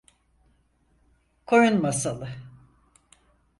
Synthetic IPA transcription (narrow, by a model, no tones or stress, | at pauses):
kʰo̞junmasalˠɯ